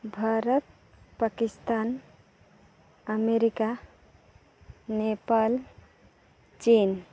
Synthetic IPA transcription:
bʱaɾət̪̚ | pakist̪an | əmeɾika | nepal | t͡ʃin

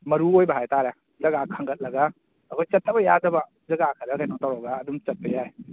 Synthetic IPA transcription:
mɐɾuojbɐɦajtaɾa | zɐɡakʰaŋɡɐt̚lɐɡa | ɐkʰɔjt͡ʃɐt̚ʰːabɐjadɐbɐ | zɐɡakʰɐɾkʰajnɔtawɾɐɡaːdumt͡ʃɐt̚pɐjaj

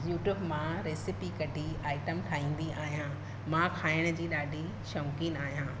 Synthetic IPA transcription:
juːʈjuːbmãɾeːsɪpikɐʈʰiaːɪʈəmʈʰaːɦĩːn̆d̪iaːɦijã | mãkʰaːɪɽ̃d͡ʑiːɗaːɖʱi | ʃɔ̃ːkinaːɦijãː

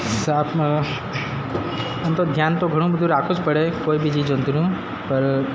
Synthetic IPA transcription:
saːp | ɐnt̪od̪ʱjaːnt̪oɡʱɐɽ̃ũbəd̪ʱuɾaːkot͡ʃpəɽekoːibʱid͡ʒid͡ʒənt̪uɾũː | pəɾ

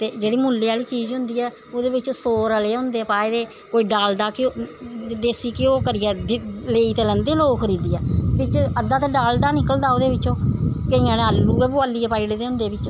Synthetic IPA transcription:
t̪eːd͡ʒeːɽiːmʊlːeːaːliːt͡ʃiːzɦʊ̃nd̪iːɛːoːd̪eːbɪt͡ʃõːsoːɾəleːɦʊ̃nd̪eːpaːed̪eː | koːiːɖaːld̪aːkɪ | d̪eːsiːkɪoːkəɾɪjɛːleːiːt̪eːlɛ̃ːnd̪eːloːkkʰəɾiːd̪iːɛːbɪt͡ʃəd̪aːt̪eːɖaːld̪aːnɪkəld̪aːoːd̪eːbɪt͡ʃõːkəĩːãːnẽəlːuːɛːbʊaːliːɛːpaːiːɽeːd̪eːɦʊ̃nd̪eːbɪt͡ʃ

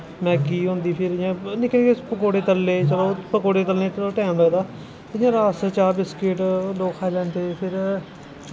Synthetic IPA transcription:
mɛ̃ːkiːɦõːnd̪iːpʰɪɾɪjãːnɪkʰlekepəkoːɽeːt̪əlːeːt͡ʃəloːpəkoːɽeːt̪əlnẽːoʈɛːmləd̪aː | t̪eɪjãːɾaːst͡ʃaːbɪskɪʈloːkʰːaːlɛːnt̪eːpʰɪɾ

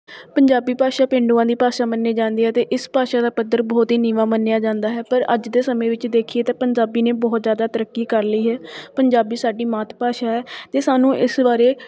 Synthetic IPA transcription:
pəɲd͡ʒaːbiːpaːʃaːpẽːɳɖuːãːd̪iːpaːʃaːmənːeːd͡ʒãːnd̪iːɦɛːt̪eːʔɪspaːʃaːd̪aːpəd̪ːəɾbɔːt̪ɦiːniːʋãːmənːejaːd͡ʒãːnd̪aːɦɛːpəɾə̰d͡ʒd̪eːsəmẽːʋɪt͡ʃd̪eːkʰieːt̪eːpəɲd͡ʒaːbiːnẽːbɔːt̪zjaːd̪aːt̪əɾəkːiːkəɾliːɦɛːpəɲd͡ʒaːbiːsaːɖiːmaːt̪ʰpaːʃaːɦɛːt̪eːsaːnũːɪsbaːɾeː

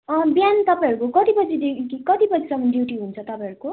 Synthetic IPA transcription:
ʌbjant̪ʌpãɦʌɾukokʌt̪ibʌd͡zid̪ekikikʌt̪ibʌd͡zisʌmʌndjiwʈiɦunt͡sʰʌt̪ʌpãɦʌɾuko

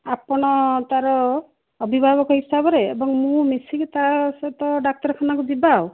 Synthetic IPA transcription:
apɔɽ̃ɔt̪aɾɔː | bʱibʱabɔkɔɦisabɔɾeebɔŋmũmisikit̪aset̪ɔɖak̚t̪ɔɾkʰanakud̪ibaw

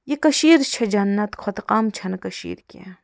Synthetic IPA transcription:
jekɐʃiːɾt͡ʃʰɐd͡ʒɐnːɐt̪kʰot̪qaːmt͡ʃʰɐnkɐʃḭːɾkʲḛ̃

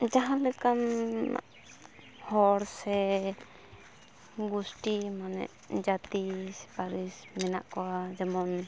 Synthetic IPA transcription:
d͡ʒaɦãlɛkam | hɔɽsɛ | ɡusʈimanɛ̰ʔ | d͡ʒat̪isi̥paɾismina̰ʔkɔwad͡ʒɛmɔn

